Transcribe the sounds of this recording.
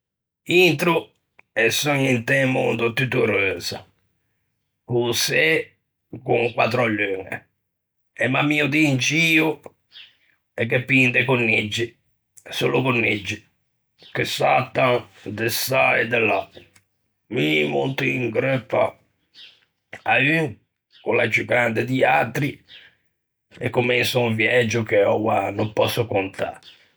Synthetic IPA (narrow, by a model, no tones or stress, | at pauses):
int̪ɾu | ɛsɔɲint̪ɛmṵnd̪ot̪yt̪uɾøːsa̰ | kusɛ | kuŋkwat̪ɾaʎːøŋɛ̰ | ɛmamiːud̪int͡ʃiːu | ɛkːepːind̪ɛkunːid͡ʒːi | solukunːid͡ʒːi | kesat̪ːaŋd̪esaɛd̪ela | mimṵnt̪iŋɡɾɛpːa̰ | ayŋ | kʊlad͡ʒukand̪ɪd̪iat̪ɾi | ɛ̰kːʊmensuũɱvjɛd͡ʒːʊkeɔwanʊmpɔsːʊkʊnt̪ʰa̰